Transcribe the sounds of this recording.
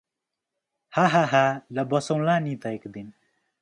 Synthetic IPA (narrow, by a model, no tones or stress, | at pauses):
haɦaɦaləbʌsʌw̃lanit̪ʌjkd̪in